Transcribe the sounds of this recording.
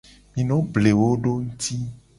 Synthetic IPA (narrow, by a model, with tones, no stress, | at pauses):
mĩ˨nɔ̃˦ble˨wo˦ɖo˦ŋu˦t̪i˦